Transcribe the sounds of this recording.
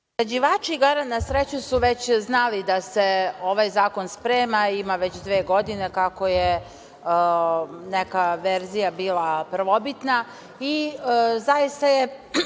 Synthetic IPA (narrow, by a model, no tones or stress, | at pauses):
ɾad͡ʑiʋaːt͡ʃiɡaɾanasɾet͡ɕusuʋet͡ɕznalid̪aseo̞ʋajzaːko̞nspɾeːmaimaʋet͡ɕd̪ʋeːɡo̞d̪ine̞kako̞je | nekaʋeɾzijabiːlapɾ̩ʋo̞bit̪na | izajist̪aje